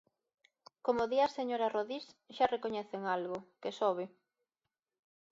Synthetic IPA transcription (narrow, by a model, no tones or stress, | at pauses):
komoðiaseɲoɾaroðisʃarekoɲɛθeŋalɣʊkesoβ̞ɪ